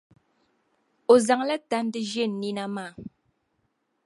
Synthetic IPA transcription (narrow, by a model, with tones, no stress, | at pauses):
o˨za˨ŋla˦ta˦n˦dɨ˦ʒɛ˦˨n̩ː˨i˦na˦maː˦˨